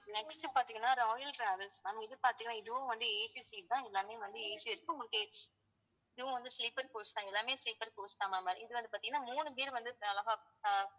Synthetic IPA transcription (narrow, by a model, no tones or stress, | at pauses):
nɛksʈɯpaːɾt̪iŋɡɐnːaːɾɔːjɐlʈɾaːʋɐlsmaːnɪðɯpaːɾt̪ĩːŋɡɐnːaːɪðɯʋõːʋɐnd̪ɯeːt͡ʃisiːʈt̪ãːɛlːaːmeːʋɐnd̪ɯeːt͡ʃɪɾɯkːɯ̃ŋɡʊɭɯkːeːt͡ʃː | ɪðɯʋõːʋɐnd̪ɯsliːpɐɾkoːst̪ãːɛlːaːmeːsliːpɐɾkoːsʈãːmaːmaːɾḭɪðɯʋɐnd̪ɯpaːɾt̪iŋɡɐnːaːmuːnɯp̬eːɾʋɐnd̪ɯɐlɐɣaː